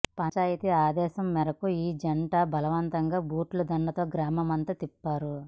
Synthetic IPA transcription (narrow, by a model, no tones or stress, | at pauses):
pɐt͡ʃaːjit̪iaːd̪ɛːʃɐmːɛɾɐkuiːd͡ʒɐɳʈaːbɐlɐʋɐnt̪ɐŋɡaːbuːʈlud̪ɐɳɖɐt̪o̞ːɡɾaːmɐmɐnt̪ɐt̪ipːaːɾu